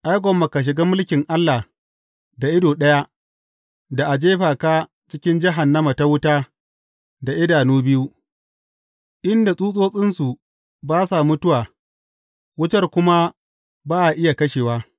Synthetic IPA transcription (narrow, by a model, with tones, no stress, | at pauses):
ʔa˦jɡʷɔ˨mːɐ˨ka˨ʃ̬ɪ˨ɡaː˦mʊ˦lkʲɪ˨ŋʔa˦lːa˨ | da˨ʔɪ˦doː˨ɗɐ˦ja˦ | da˨ʔa˨d͡ʒeː˦ɸaː˨kaː˦ | t͡ʃɪ˦kʲɪ˦nd͡ʒɪ˦ɦa˨nːɐ˦ma˨ta˦wʊ˦taː˦ | da˨ʔɪ˦daː˨nuː˦bɪ˦ju˦ | ʔɪ˦nda˨sʼuː˦sʼoː˦sʼɪ˦nsu˨ | baː˦sa˨mʊ˦tʊ˦waː˨ | wʊ˦t͡ʃɐ˦rkʷʊ˦ma˦ | baː˦ʔa˨ʔɪ˦ja˨kɐ˦ʃeː˨waː˦